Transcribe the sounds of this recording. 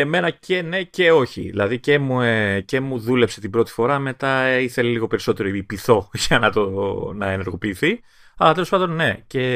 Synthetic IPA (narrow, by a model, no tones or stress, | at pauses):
eme̞nɐcʰe̞ne̞ce̞o̞çḭðḭlɐ̰ðice̞muece̞muðule̞pse̞t̪ibɾo̞t̪i̥fo̞ɾɐme̞t̪ɐiθe̞leliɣo̞pe̞ɾiso̞t̪e̞ɾoipiθo̞ʝɐnɐt̪onɐe̞ne̞ɾɣo̞piːθi | ɐlɐt̪e̞lospɐnd̪o̞nne̞ce̞